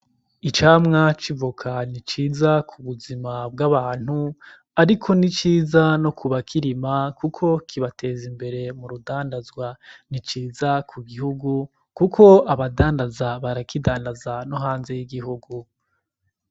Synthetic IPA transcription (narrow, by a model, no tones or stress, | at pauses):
it͡ʃaːmŋat͡ʃivukʰanit͡ʃiːzakʰuβuzimabɡaβaːn̥hu | aɾikʰo̞nit͡ʃiːzano̞kuβakʰiɾimakukʰo̞kʰiβate̞ːzimbe̞ɾe̞muɾudaːndazɡwanit͡ʃiːzakʰuɡihuɡu | kukʰo̞aβadaːndazaβaɾakidaːndazanoɦaːnze̞jiɡiɦuɡu